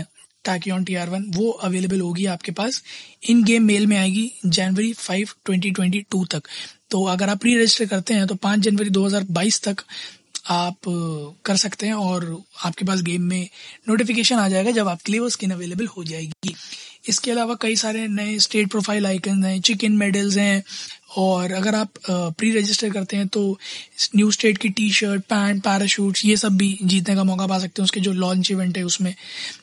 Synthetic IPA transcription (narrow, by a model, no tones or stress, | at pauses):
ʈɛːkiɔːnʈiːaːɾʋɐnʋoʔɐʋeːlebəlɦoːɡiaːpkepaːsɪnɡeːmːeːlmẽaːeːɡid͡ʒɛːnʋəɾifaːɪʋʈwɛ̃ɳʈiʈ̬wɛ̃ɳʈiʈuːt̪ɐkt̪oːɐɡəɾaːpːɾiːɾed͡ʒɪsʈəɾkɐɾt̪eɦɛ̃t̪̬opãːt͡ʃd͡ʒɐnʋəɾid̪oːɦɐzaːɾbaːiːst̪ɐk | aːpkɐɾsɐkt̪eɦɛ̃ɔːɾaːp̚kep̬aːs̬ɡeːmːẽnoːʈɪfɪk̬eːʃənaːd͡ʒaːeːɡad͡ʒɐbaːp̚keleːʋəskɪnɐʋeːleːbəlhod͡ʒaːeːɡiːɪskeɐlaːʋakɐisaːɾenɐesʈeːʈ̚pɾoːfʰaːɪlaːɪkə̃nzɦɛ̃ːt͡ʃɪkɪnmeːɖəlzɦɛ̃ɔːɾɐɡəɾaːpːɾiːɾed͡ʒɪsʈəɾkɐɾt̪eɦɛ̃t̪onjuːsʈeːʈkiʈiːʃəɾʈ̚pɛːɳʈ̚pɛːɾaʃuːʈsjesɐbːʱid͡ʒiːt̪̬nekamɔːkapaːs̬ɐk̚t̪ẽɦɛʊsked͡ʒoːlɔːl̃ɲt͡ʃɪʋɛ̃ɳʈɦɛʊsmẽː